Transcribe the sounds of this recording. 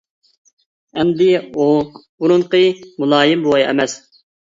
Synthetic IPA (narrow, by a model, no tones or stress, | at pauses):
ɛmd̪ɪubuɾunqəmulˠɑːjɪmbowɑjɛ̰mɛs